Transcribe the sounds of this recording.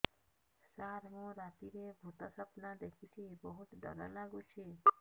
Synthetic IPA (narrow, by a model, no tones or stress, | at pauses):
saɾɦũɾat̪iɾebʱut̪ɔsəpnãd̪ekʰit͡ʃʰibəɦut̪ɖʱɔ̰lalaɡũt͡ʃʰe